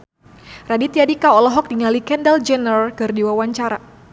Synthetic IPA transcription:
radit̪iadikaɔlɔɦɔk̚diŋalikɛndɛld͡ʒɛnərkɨrdiwawaɲt͡ʃaɾa

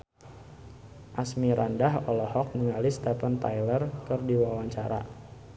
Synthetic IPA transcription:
ʔasmiɾʔandaɦɔlɔhɔk̚nəŋalist̪ɛfant̪ajlərkɨrdiwawaɲt͡ʃaɾa̰

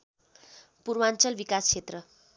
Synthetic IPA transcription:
puɾmant͡sʌlbikaskʰet̪rʌ

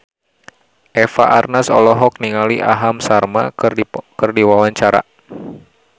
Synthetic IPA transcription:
ʔɛfa̰ʔarnasɔ̰lɔɦɔk̚niŋaliʔaɦamsarma̰kɨrdiwawaɲt͡ʃaɾa̰

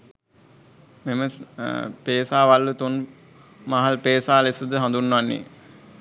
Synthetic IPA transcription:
memə | peːsaːʋalːut̪un | maɦalpeːsaːlesəd̪əɦãnd̪unːʋanːḛ

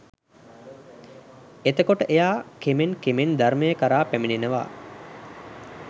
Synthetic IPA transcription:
et̪əkoʈəʔejaːkemenkemend̪aɾməjəkəɾaːpæminenəʋa̰ː

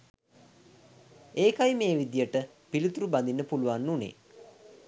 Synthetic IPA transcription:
eːkajmeːʋid̪ijəʈə | pilit̪uɾuband̪inːəpuluʋanːunḛ

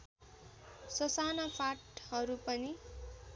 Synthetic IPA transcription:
sʌsanapʰaʈɦʌɾupʌni

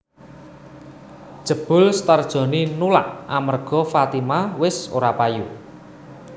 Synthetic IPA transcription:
d̥ʒ̥ə̤b̥ʊ̤lst̪ərd̥ʒ̥ɔ̤ninulaʔamərɡ̥ɔ̤fat̪imawɪso̰ɾapaju

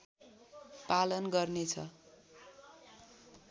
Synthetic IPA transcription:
palʌnɡʌrnet͡sʰʌ̰

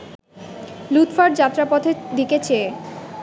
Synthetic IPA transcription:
lut̪faɖd͡ʑat̪ːɾapɔt̪ʰed̪iket͡ɕʰe

